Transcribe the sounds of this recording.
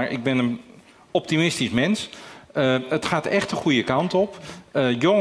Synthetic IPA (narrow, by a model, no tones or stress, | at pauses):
ɹʔɪ̰ɡ̚bɪnən | ɔp̚timɪstismɛnsəətχaːtɛxtəχujəkɑwntɔpəjoŋ